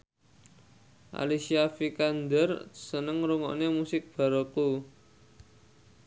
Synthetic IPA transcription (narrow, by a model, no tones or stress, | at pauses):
ʔa̰lisiafikand̪ərsənəŋɾuŋɔ̰nemusɪk̚b̥a̤ɾoku